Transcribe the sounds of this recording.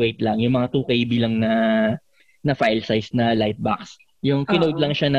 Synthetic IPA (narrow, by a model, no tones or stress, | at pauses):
ejt̪lɐŋjʊŋmɐŋat̪uːkɐjbilɐŋnɐ | nɐfajlsajsnɐlajt̪̚ba̰ks | jʊŋkɪnooɡ̪lɐŋʃanɐ